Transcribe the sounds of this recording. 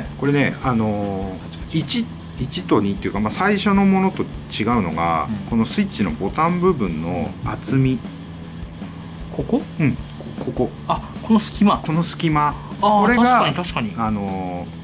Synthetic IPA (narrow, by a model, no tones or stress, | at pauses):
ko̞ɾe̞ne̞ano̞ | it͡ɕi | it͡ɕit̪o̞ɲ̟it̪ːoeiɯ̟kamasaiɕo̞no̞mo̞no̞t̪o̞ | t͡ɕiɡaɯ̟no̞̰ɡa̰ko̞no̞sɨit͡ɕːino̞̰bo̞t̪ãmbɯ̟bɯ̟̃nːo̞̰at͡sɨmʲi | kokoɯ̟̃ɴkokʰo̞ko̞ | akonosɨ̥kʲimako̞no̞sɨ̥kʲimako̞ɾe̞aɡaaɲt̪aɕi̥kaɲiano̞